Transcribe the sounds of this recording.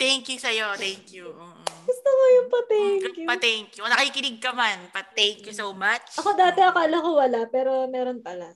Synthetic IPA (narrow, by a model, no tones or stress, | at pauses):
t̪ɛŋkjusɐjot̪ɛŋkjuoːʔɡʊst̪oŋojʊŋpɐt̪ɛŋkjupɐt̪ɛŋkjunɐkɐkikɪnɪɡ̚kɐmanpɐt̪ːɛŋkjusowmat͡ʃʔɐko̞d̪aːt̪ɛʔɐkoʔɐlɐkowɐlapɛːɾo̞mɛːɾonpɐla